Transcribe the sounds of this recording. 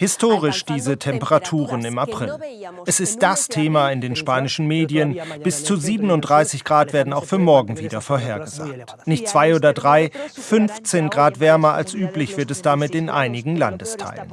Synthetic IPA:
hɪstʰoːʁ̞ɪʃd̥iːzətʰɛmpəʁatʰuːʁənɪmapʁ̥ɪlʔɛsɪst̚d̥astʰeːmaɪndeːnʃpaːnɪʃn̩meːdiənb̥ɪst͡suziːbən̩ʊntd̥ʁaɪsɪçɡ̥ʁaːtv̥eːɐdn̩aʊxfyːɐmɔɐɡŋ̩viːdɐfoːɐɦeːɐɡəza̰ːk̚t | nɪçt̚t͡sv̥aɪoːdɐdʁaɪfʏnft͡seːnɡʁaːtv̥ɛɐmɐʔa̰lsʔyːplɪçv̥ɪɐtɛsd̥amɪtɪnʔa̰ɪnɪɡŋ̩la̰ndəstʰa̰ɪlə̰n

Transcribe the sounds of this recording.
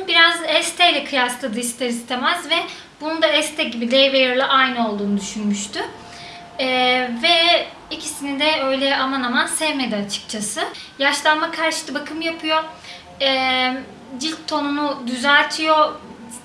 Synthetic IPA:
biɾazɛst̪ʰɛjlʲɛkʰɯjaslˠad̪ɯist̪ʰaɾist̪ʰemæzvɛ | bunund̪aɛst̪ʰɛɟibilʲejvejɯɾlˠaʔajnɯo̞lˠd̪uːnud̪yʃynmyʃt̪ʰy | ɛvɛ | icʰisinid̪ɛø̞jlʲɛamanamansɛvmed̪iat͡ʃʰɯ̥k̚t͡ʃʰasɯjaʃlˠanmakʰaɾʃɯ̥t̪ˠɯbakʰɯmjapʰɯjo̞ | ɛː | d͡ʒilʲt̪ʰːo̞nunud̪yzælʲt̪ʰijo̞

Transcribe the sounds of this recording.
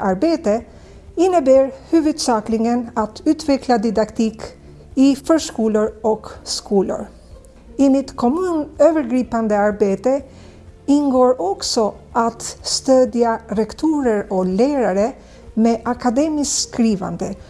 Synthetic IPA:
aɾbeːt̪ə | ɪnːəbæːɾhʉːvɵd̪sɑːklɪŋənat̪ʰʉːt̪ʰvɛklad̪ɪd̪akt̪ʰiːk | ɪfœːʂkuːlʊɾɔkskʰuːlʊ̰ɾ | ɪmɪt̪kʰɔmʉːnøːvəɾɡɾiːpand̪əaɾbeːt̪ə | ɪnɡoːɾɔksɔʔat̪st̪øːd̪jaɾɛkt̪ʰuːɾəɾɔlæːɾaɾə | meʔakad̪eːmɪskɾiːva̰nd̪ə

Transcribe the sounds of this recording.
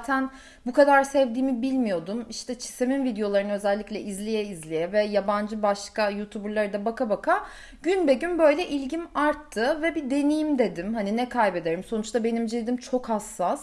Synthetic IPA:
t̪ʰæn | bukʰad̪aɾsɛvd̪iːmibilʲmijo̞d̪umiʃt̪ʰɛt͡ʃʰi̥seminvid̪ejo̞lˠaɾɯnɯøzɛlʲːiclʲɛʔizlʲijɛizlʲijɛvɛjaband͡ʒɯbaʃkajut̪ʰubuɾlˠaɾɯd̪abakabakʰa | ɟynbɛɟynbø̞jlʲɛʔilʲɟimaɾt̪ʰːɯvɛbid̪e̞nijimd̪e̞d̪imɦaninɛkʰajbe̞d̪e̞ɾimso̞nut͡ʃt̪ʰabe̞nimd͡ʒid̪imt͡ʃʰo̞khasːas

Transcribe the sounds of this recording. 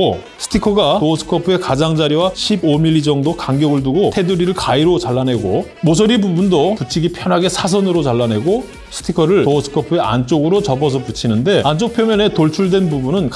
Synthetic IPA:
o | sʰɯ̥tʰikʰʌɡatosʰɯ̥kʰʌpʰɯe̞kad͡ʑaŋd͡ʑaɾiwaɕʰibomiʎːid͡ʑʌŋdokaŋɡjʌɡɯɭduɡotʰe̞dɯɾiɾɯɭkaiɾot͡ɕaɭːanɦe̞ɡo | mos̬ʰʌɾibubundoput͡ɕʰiɡipʰjʌnɦaɡe̞sʰas̬ʰʌnɯɾot͡ɕaɭːane̞ɡo | sʰɯ̥tʰikʰʌɾɯɭtosʰɯ̥kʰʌpʰɯe̞ʔa̰nt͡ɕ͈oɡɯɾot͡ɕʌbʌs̬ʰʌput͡ɕʰinɯnde̞ant͡ɕ͈ok̚pʰjomjʌne̞toɭt͡ɕʰuɭdwe̞nbubunɯnk

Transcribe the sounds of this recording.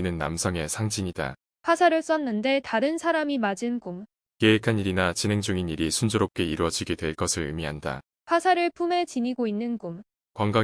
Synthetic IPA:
nɯnːa̰msʰʌŋe̞sʰaŋd͡ʑiɲida̰ | ɸʰasʰaɾɯɭs͈ʌnːɯnde̞taɾɯnsʰaɾamimad͡ʑɯnɡum | ke̞ekʰaniɾinat͡ɕinɦe̞ŋd͡ʑuŋiniɾisʰund͡ʑoɾop̚k͈e̞iɾuwʌd͡ʑiɡedwe̞ɭk͈ʌsʰɯɾɯ̰miɦanda̰ | ɸʰwasʰaɾɯɭpʰume̞t͡ɕiɲiɡoinːɯnɡum | kwaŋɡa

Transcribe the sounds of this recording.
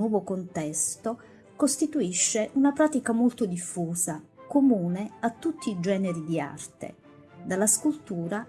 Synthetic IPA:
wɔːvokont̪ɛst̪o | kost̪it̪uiʃːeʔunapɾaːt̪ikamolt̪od̪ifːuːzakomuːneat̪ːut̪ːiːd͡ʒɛːneɾid̪ia̰rt̪ḛ | d̪alːaskult̪uːɾa

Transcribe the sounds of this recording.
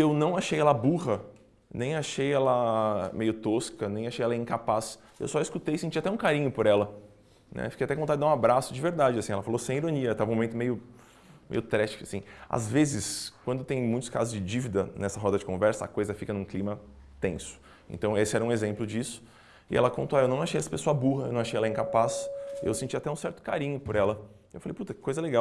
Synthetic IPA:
ewnɐ̃w̃aʃejɛlɐbuɦɐ | nẽj̃aʃejɛlɐmejʊt̪oskɐnẽj̃aʃejɛlɐĩkapas | ḛwsɔiskut̪ejsẽnt͡ʃiat̪ɛũkaɾĩɲʊpoɾɛlɐ | nʔɛ̰fikejat̪ɛkõt̪ẽd̪d̪ãũabɾasʊd͡ʒɪveɾd̪ad͡ʒɪasĩɛlɐfalosẽj̃iɾõniɐt̪avũmõmẽt̪ʊmejʊ | mḛjʊt̪ɾɛʃt͡ʃi̥kʊasĩa̰zvezɪsk̚wɐ̃nd̪ʊt̪ẽj̃mũj̃t̪ʊska̰zʊzd͡ʒɪd͡ʒivid̪ɐnɛsɐɦɔd̪ɐd͡ʒɪkõvɛɾsɐ̰ːkojzɐfikɐnũklimɐ | t̪ẽsʊ̥ | ḛ̃nt̪ɐ̃w̃esɪɛɾɐũezẽmplʊd͡ʒisʊ̥ | ɪ̰ʔɛ̰lɐkõnt̪oaewnɐ̃w̃aʃejɛsɐ̥pesoɐbuɦɐewnɐ̃w̃aʃejɛlɐĩŋkapasḛwsẽnt͡ʃiat̪ɛũsɛɾt̪ʊ̥kaɾĩɲʊpoɾɛlɐ | ewfalḛjput̪ɐkɪ̥kojzɐleɡaw

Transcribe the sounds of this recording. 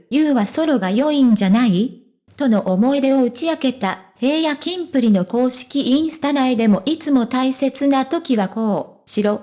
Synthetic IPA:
jɯːβaso̞ɾo̞ɡajo̞ĩɲ̟d͡ʑanai | t̪o̞no̞ʔomo̞id̪e̞o̞ɯ̟t͡ɕiake̞t̪ahe̞ːjakʲĩmpɯ̟ɾʲino̞ko̞ːɕi̥kʲiʔĩɰ̃sɨ̥t̪anaid̪e̞mo̞ʔit͡sɨmo̞t̪aise̞t͡sɨnat̪o̞kʲiβako̞ːɕiɾo̞

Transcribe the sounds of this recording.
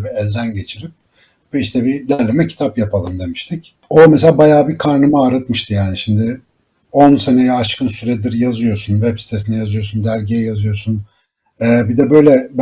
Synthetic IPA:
biɛlʲd̪ænɟe̞t͡ʃʰiɾip̚ | iʃt̪ʰɛbid̪æɾlʲemɛcʰi̥t̪ʰapjapʰalˠɯnd̪e̞miʃt̪ʰic | omɛselʲaːbajaːbikʰaɾnɯmaaːɾat̪mɯʃt̪ʰɯjaːniʃimd̪ɪ | onse̞ne̞jɛaʃkʰɯnsyɾɛd̪iɾjazɯjo̞sunvɛpsi̥t̪ʰe̞s̬inɛjazɯjo̞ɾsund̪æɾɟijɛjazɯjo̞ɾsun | ɛːbid̪ɛbø̞jlʲɛb

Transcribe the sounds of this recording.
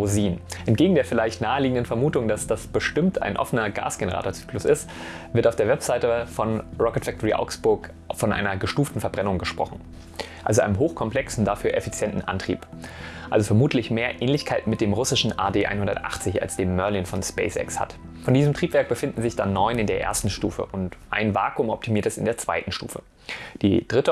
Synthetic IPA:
ʊziːnʔɛntɡ̥eːɡŋ̩deːɐfɪlaɪçtnaːəliːɡŋ̩dənfɛɐmuːtʊŋd̥asd̥asb̥əʃtɪmtʰa̰ɪnʔɔ̰fənɐɡa̰ːsɡ̥enəʁa̰ːtoːɐt͡sy̥ːklʊsɪst | v̥ɪɐtaʊfd̥eːɐvɛpz̥aɪtəfɔnʁɔkɛɐtfɛk̚tʰɔʁiʔa̰ʊksb̥ʊɐk | fɔnʔa̰ɪnɐɡəʃtuːftn̩fɛɐbʁɛnʊŋɡəʃpʁ̥ɔ̰χn̩ | ʔa̰lzoʔa̰ɪnəmɦoːxkʰɔmplɛksn̩dafyːɐʔɛfit͡sjɛntn̩ʔa̰ntʁ̥ḭːp | ʔa̰lzofɛɐmuːtʰlɪçmeːɐʔɛːnlɪçkʰaɪtn̩mɪt̚d̥eːmʁʊsɪʃn̩ʔa̰ːdeːʔa̰ɪnhʊndɐtʔa̰χt͡sɪça̰lsd̥eːmːœɐlɪnfɔnspɛ̰ɪsɛ̰ksha̰t | fɔndiːzəm̩tʰʁ̥iːpv̥ɛɐk̚b̥əfɪndn̩zɪçd̥anːɔʏnɪndeːɐʔḛːɐstn̩ʃtṵːfə̰ʔʊntʔa̰ɪnvaːkʊmɔp̚tʰimiːɐtəɛsɪ̰ndeːɐt͡sv̥a̰ɪtn̩ʃtṵːfə̰ | d̥iːd̥ʁɪtə

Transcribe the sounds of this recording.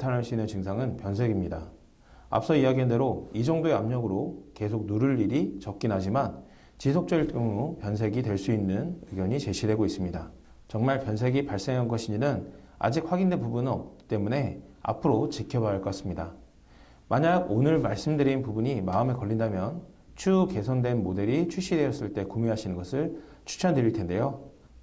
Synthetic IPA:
tʰanɦaɭs͈uinːɯnt͡ɕɯŋsʰaŋɯnpjʌnsʰe̞ɡimɲida | a̰p̚s͈ʌiaɡiɦande̞ɾoid͡ʑʌŋdoe̞amɲʌɡɯɾoke̞sʰok̚nuɾɯɭːiɾit͡ɕʌk̚k͈inɦad͡ʑiman | t͡ɕisʰok̚t͡ɕ͈ʌiɭt͈ɯmɾopjʌns̬ʰe̞ɡitwe̞ɭs͈uinːɯnɯɡjʌɲit͡ɕe̞ɕʰide̞ɡois͈ɯmɲida | t͡ɕʌŋmaɭpjʌnsʰe̞ɡipaɭs͈e̞ŋɦanɡʌɕʰiɲinɯna̰d͡ʑik̚ɸwaɡindwe̞pubunɯnʌp̚t͈e̞mune̞a̰pʰɯɾot͡ɕikʰjʌbaɭk͈ʌk͈as͈ɯmɲida | maɲaɡonɯɭmaɭs͈ɯmdɯɾinpubuɲimaɯme̞kʌʎːindamjʌn | t͡ɕʰuke̞sʰʌndwe̞nmode̞ɾit͡ɕʰuɕ͈ʰide̞jʌs͈ɯɭt͈e̞kumiɦaɕʰinɯnɡʌsʰɯɭt͡ɕʰu̥t͡ɕʰandɯɾiɭtʰe̞nde̞jo

